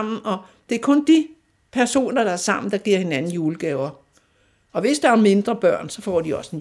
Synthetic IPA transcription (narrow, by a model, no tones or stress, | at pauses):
m̰n̩ʔɒ̽ | d̥e̝æɐkʰɔ̽nd̥i | pʰæɐso̝̰ːnɐɾ̥ɑ̈æɐsɑ̈m̰n̩d̥ɑ̈ɡ̥iɐ̰he̝nænn̩juːləɡ̥ɛːʊɐ | ʔɒ̽ʋe̝sd̥ɑ̈æɐme̝nd̥ʁɐb̥ɶɐ̰nsɒ̽fɒ̰ːd̥iɒ̽sen